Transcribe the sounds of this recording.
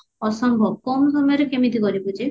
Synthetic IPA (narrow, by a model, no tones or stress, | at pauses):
ɔsɔmbʱɔbkɔmɔsɔmjɔɾekemit̪ikɔɾibud͡ʒe